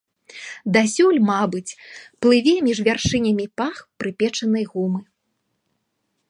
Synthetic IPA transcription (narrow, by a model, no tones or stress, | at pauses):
d̪asʲulʲmabɨt͡sʲplˠɨvʲɛmʲiʐvʲarʂɨnʲɐmʲipaxpɾɨpʲɛt͡ʂɐnɐjɣumɨ